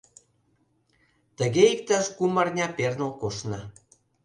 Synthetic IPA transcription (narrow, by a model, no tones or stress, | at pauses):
t̪ə̆ɣeik̚t̪ɑʃkumɑrnʲɑpernolkoʃnɑ